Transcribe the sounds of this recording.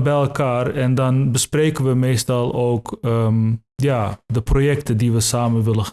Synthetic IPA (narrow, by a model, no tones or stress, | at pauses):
bɛjɛlˠkaːrɛndɑnbəsprejkənʋəmeːstɑlˠowkəmjaːdəprojɛktədiʋəsaːmənʋɪlə